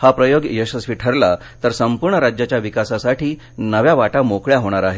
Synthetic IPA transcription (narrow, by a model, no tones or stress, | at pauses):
hapɾəjoɡjəɕəsʋiːʈʰəɾla | t̪əɾsəmpuɾɳəɾad͡ʑjat͡ɕjaʋikasasaʈiː | nəʋjaʋaʈamokɭjaɦoɽ̃aɾaɦe